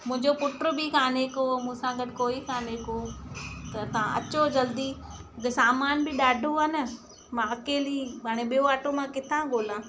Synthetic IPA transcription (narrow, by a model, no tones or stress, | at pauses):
mʊ̃ɦɪ̃ɲd͡ʑopʊʈɾʊ̆bɪkʰaːnekomũːsãɡɐʈkoːikʰaːneːkoːt̪ɐt̪ɐ̤ãʔɐ̰t͡ɕod͡ʑɐld̪iɪɡsaːmaːnbɪɗaːɖʱoanə | mãɐkeːlibaːɽ̃eɓijoaːʈomãkɪt̪ʰãɡʱoːlãː